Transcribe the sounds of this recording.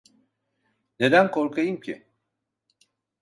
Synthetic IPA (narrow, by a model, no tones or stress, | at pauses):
ne̞d̪ænkʰo̞ɾkʰajɯmcʰi